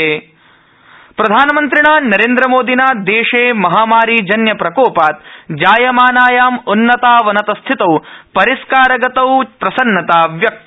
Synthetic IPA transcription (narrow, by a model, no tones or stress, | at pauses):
eː | pɾɐd̪ʱaːnɐmɐnt̪ɾiɳaːnɐɾeːnd̪ɾɐmoːd̪inaːd̪eːʂeːmɐɦaːmaːɾid͡ʒɐnjɐpɾɐkoːpaːt̪̚d͡ʒaːjɐmaːnaːjaːmunːɐt̪aːʋɐnɐt̪ɐst̪ʰit̪ɐwpɐɾiskaːɾɐɡɐt̪ɐwpɾɐsɐnːɐt̪aːʋjɐk̪̚